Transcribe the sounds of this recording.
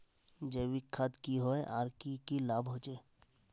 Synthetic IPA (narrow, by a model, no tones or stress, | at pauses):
d͡ʒeːwikʰad̪kiɦoeʔaːɾkikilaːbɦoːd͡ʒeː